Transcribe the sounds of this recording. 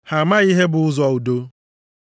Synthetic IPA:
ha˨ma˦i˦ɦe˦bʊ˨ʊ˦zɔ˨u˨do˦

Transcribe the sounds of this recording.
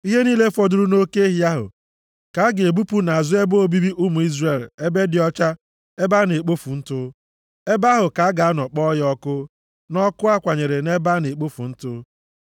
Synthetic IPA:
i˦ɦe˦niː˦le˦fɔ˨dʊ˨ɾu˦no˦ke˦ɦja˦ɦʊ̰˨ | ka˨˦ɡɪ˨e˨bu˦pu˦na˨a˨zʊ˦e˦bo˦o˦˨bi˦bi˦ʔʊ˦mu˨i˦zre˨le˦be˦dɪ˨ɔ˦t͡ʃa˦ | e˦ba˦ne˨k͡po˦fu˨n̩˦tʊ˦ | e˦ba˦ɦʊ˨ka˨˦ɡa˨a˦nɔ˨k͡pɔ˦jɔ˦kʊ˦ | nɔ˦kʊ˦a˦kʷa˨ɲe˨ɾe˨ne˦ba˦ne˨k͡po˦fṵ˨n̩˦tʊ˦

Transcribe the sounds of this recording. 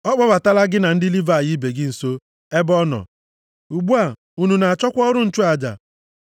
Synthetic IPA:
ɔ˦k͡pɔ˦ba˨ta˦la˦ɡɪ˦na˨n̩˦dɪ˦li˦va˦˨jɪ˦be˨ɡɪ˦n̩˨so˦ | e˦bɔ˦nɔ̰˨ | u˨ɡ͡bu˦a˨ | u˨nu˨na˨a˨t͡ʃɔ˦kʷɔ˦ɾʊ˦n̩˦˨t͡ʃu˦a˨d͡ʒa̰˨

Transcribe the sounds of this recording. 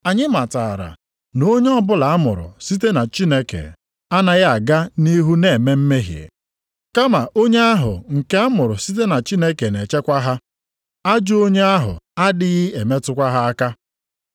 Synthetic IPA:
a˨ɲɪ˦ma˨ta˨ɾa̰˨ | no˦ɲe˦ɔ˦bʊ˦la˨a˦mʊ̰˨ɾʊ̰˨si˦t̬e˦na˨t͡ʃi˦ne˦kḛ˨ | a˦na˦ɣa˨ɡa˦ni˦ɦu˦ne˦˨me˦m̩˦me˦ɦjḛ˨ | ka˦ma˨ʔo˦ɲe˦a˦ɦʊ̰˨ŋ̩˨ke˦a˦mʊ˨ɾʊ˨si˦t̬e˦na˨t͡ʃi˦ne˦ke˨ne˨t͡ʃe˦kʷa˦ɦa˦ | a˦d͡ʒʊ˦o˦ɲe˦a˦ɦʊ̰˨a˦dɪ˦ɣɪ˦e˨me˦tʊ˦kʷa˦ɦa˦a˦ka˦

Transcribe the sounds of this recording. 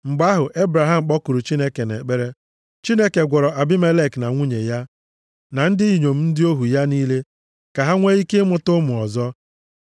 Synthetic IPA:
ŋ͡m̩˨ɡ͡ba˦ɦʊ˨ʔe˦bɾa˨ɦa˦m̩˨k͡pɔ˦ku˨ɾu˨t͡ʃi˦ne˦ke˨nḛ˨k͡pe˦ɾe˦ | t͡ʃi˦ne˦ke˨ɡʷɔ˨ɾɔ˨a˨bɪ˦me˦le˦˨kna˨ŋʷu˦ɲe˨ja˦ | na˨n̩˦dɪ˦i˨ɲo˨m̩˦n̩˦dɪ˦o˦ɦu˨ja˦niː˦le˦ | ka˨ɦa˦ŋʷe˦i˦ke˦mʊ˦tʊ˦mʊ˨ɔ˨zɔ˦

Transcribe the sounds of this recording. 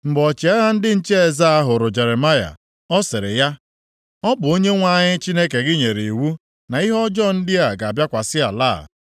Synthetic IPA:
ŋ͡m̩˨ɡ͡bɔ˨t͡ʃɪ˨a˦ɣa˦n̩˦dɪ˦n̩˦t͡ʃe˦e˨za˦a˦ɦʊ˨ɾʊ˨d͡ʒe˨ɾe˨ma˦ja̰˨ | ɔ˦sɪ˨ɾɪ̰˨ja˦ | ɔ˦bʊ˨o˦ɲe˦ŋʷa˦ɲɪ˦t͡ʃi˦ne˦ke˨ɡɪ˦ɲe˨ɾe˨i˨wu˦ | na˨i˦ɦɔ˦d͡ʒɔ˦˨n̩˦dɪ˦a˦˨ɡa˨a˨bja˦kʷa˨sɪ˦a̰˨la̰˦˨

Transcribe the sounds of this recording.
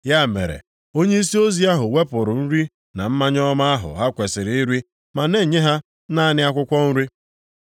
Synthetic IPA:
ja˦˨mḛ˨ɾḛ˨ | o˦ɲe˦i˦si˦o˦zi˦a˦ɦʊ˨we˦pʊ˨ɾʊ˨n̩˦ɾi˦ | na˨m̩˦ma˦ɲ˦ɔ˦ma˦a˦ɦʊ̰˨ɦa˦kʷe˨sɪ˨ɾɪ˨˦i˦ɾi˦ | ma˨ne˦˨ɲe˦ɦa˦ | na˦nɪ˦a˦kʷʊ˦kʷɔ˦n̩˦ɾi˦

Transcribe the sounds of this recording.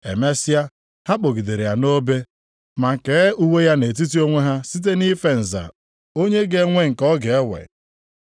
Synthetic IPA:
e˨me˦sɪ˦a˦ | ha˦k͡po˨ɡi˨de˨ɾe˨ja˨no˦be˦ | ma˨ŋ̩˨ke˨˦u˦we˦ja˦ne˨t̬i˦t̬i˦o˦ŋʷe˦ɦa˦si˦t̬e˦ni˦fe˨n̩˨za̰˨ | o˦ɲe˦ɡe˦ŋʷe˦ŋ̩˨kɔ˦ɡe˨e˦wḛ˨

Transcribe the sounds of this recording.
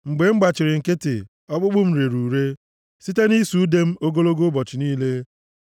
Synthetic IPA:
ŋ͡m̩˨ɡ͡be˨ŋ͡m̩˦ɡ͡ba˨t͡ʃɪ˨ɾɪ˨ŋ̩˨ke˦tɪ˨ | ɔ˦ɡ͡bʊ˦ɡ͡bʊ˦m̩˦ɾe˨ɾu˨ɾe˦ | si˦te˦ni˦su˨˦de˦m̩˦o˦ɡo˦lo˦ɡo˦bɔ˨t͡ʃɪ˨niː˦le˦

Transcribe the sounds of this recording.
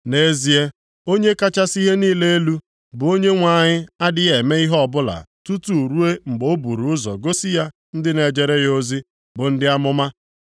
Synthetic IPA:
ne˨˦zi˨e˦ | o˦ɲe˦ka˦t͡ʃa˦si˦ɦe˦niː˦le˦e˦lu˦ | bʊ˨o˦ɲe˦ŋʷa˦˨ɲɪ˦a˦dɪ˦e˨me˦i˦ɦɔ˨bʊ˦la̰˨tu˦tu˨ɾu˦e˦ŋ͡m̩˨ɡ͡bo˦bu˨ɾu˨ʊ˦zɔ̰˨ɡo˦si˦ja˦ | n̩˦dɪ˦ne˨d͡ʒe˨ɾe˦jo˦zi˦ | bʊ˨n̩˦dɪ˦a˦mʊ˦ma˦

